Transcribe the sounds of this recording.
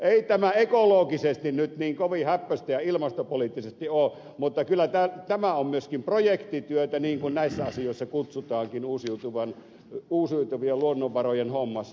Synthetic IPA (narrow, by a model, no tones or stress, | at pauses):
ʔeˑit̪æmæekoloːkisest̪innyt̪niːŋkoʋihæpːøst̪æjɑilmɑst̪opoliːˑt̪ːisest̪ioː | mut̪ːɑkylːˑæt̪ælt̪æmæommyøskimprojekt̪it̪yøt̪æniːŋkunnæisːæɑsijoˑisːɑkut̪sut̪ɑːŋkinuːsiut̪uʋɑn | uːsiut̪uʋielluonːoʋʋɑrojenhomːɑsːɑ